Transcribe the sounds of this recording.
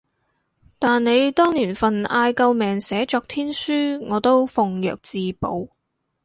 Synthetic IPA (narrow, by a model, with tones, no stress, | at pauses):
t̪aː˨nne˨˧jt̪ɔː˥ŋniː˨˩nfɐ˨naː˧jkɐ˧wmɛː˨˩ŋsɛː˨˥t͡ʃɔː˧k̚t̪ʰiː˥nsyː˥ŋɔː˨˧t̪o˥wfʊ˨˧ŋjœ̰ː˨k̚t͡siː˨˧po̰˨˧w